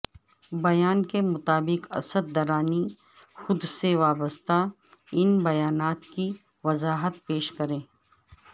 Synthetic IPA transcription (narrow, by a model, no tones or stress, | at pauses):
bɐjaːnkemʊt̪aːbɪqɐ̰səd̪̚ːɐɾaːni | xʊd̪seʋaːbəst̪a | ɪnbɐjaːnaːt̪ki | ʋɐzaːɦət̪̚peːʃkɐɾẽː